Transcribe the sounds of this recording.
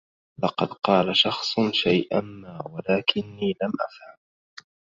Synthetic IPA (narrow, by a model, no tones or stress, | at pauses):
lɑqɑd̪qɑːlaʃɑxsˤʃajʔamːaːwalaːkɪnːiːlamʔafham